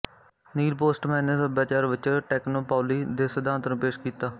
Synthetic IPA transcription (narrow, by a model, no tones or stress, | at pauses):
niːlpoːsʈmɛ̃ːneːsəbjaːt͡ʃaːɾʋɪt͡ʃʈɛːknoːpaːliːd̪eːsəd̪aːnt̪ɾũːpeːʃkiːt̪aː